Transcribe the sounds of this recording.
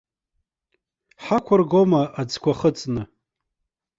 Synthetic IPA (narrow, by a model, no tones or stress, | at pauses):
ħakʷʰarɡomaʔad͡zkʷaχət͡sʼnɨ